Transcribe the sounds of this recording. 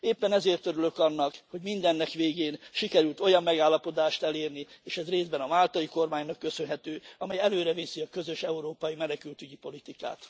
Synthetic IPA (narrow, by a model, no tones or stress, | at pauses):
eːpːɛnɛzeːrt̪ø̞ɾylø̞kɒnːɒkho̞ɟmind̪ɛnːɛkʋeːɡeːnʃikɛɾylt̪o̞jɒmːɛɡaːlːɒpo̞d̪aːʃt̪ɛleːrnieːʃɛzreːzbɛnɒmaːlt̪ɒjiko̞rmaːɲnɒkːø̞sønɦɛt̪øːɒmɛjɛløːɾɛveːsiɒkø̞zø̞ʃɛuɾoːpɒjimɛnɛkylt̪yɟipo̞lit̪ika̰ːt̪